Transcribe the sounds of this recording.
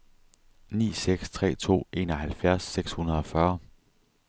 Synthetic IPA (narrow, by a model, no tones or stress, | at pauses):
nḭːseɡ̥st͡sʰʁɛ̰ːt͡sʰo̝̰ːe̝ːnɒɦælfjæɐ̰sːeɡ̥shunɐð̞̩ˠɒ̽fɶːɐ